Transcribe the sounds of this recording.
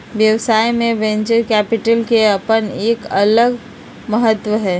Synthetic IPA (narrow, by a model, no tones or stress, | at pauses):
ʋjəʋsaːimẽʋẽːɲt͡ʃəɾkɛːpɪʈəlkeɐpəneːkɐləɡ | məɦət̪ʋəɦɛː